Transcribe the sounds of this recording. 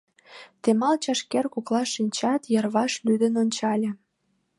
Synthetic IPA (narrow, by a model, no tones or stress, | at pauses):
t̪emɑlt͡ɕɑʃkerkoklɑʃinʲt͡ɕɑt̪jɑrβɑʃlyd̪ənonʲt͡ɕɑlʲĕ